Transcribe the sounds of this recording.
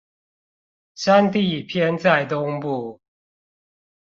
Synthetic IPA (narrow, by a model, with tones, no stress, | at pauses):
sa˦ŋt̪i˥˨pʰjɛ˥˦nt͡sa˥˨ɪt̪ʊ˦ŋpu˥˩